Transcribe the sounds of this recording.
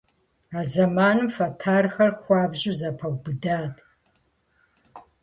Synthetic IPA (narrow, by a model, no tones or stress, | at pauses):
aːzɐmaːnɨmfɐtʰaːrxɐrxʷɑːbʑuzɐpʰɐwbɨdaːdʰʼ